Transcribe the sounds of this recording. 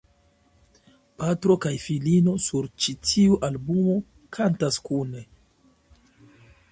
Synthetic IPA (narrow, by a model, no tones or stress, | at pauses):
patɾo̞kajfilino̞suɾt͡ʃitʰiuʔalbumo̞ | kʰantaskune̞